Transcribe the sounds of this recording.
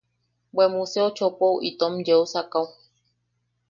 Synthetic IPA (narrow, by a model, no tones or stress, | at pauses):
bwemũseot͡ʃopowʔit̪omd͡ʒeusakaw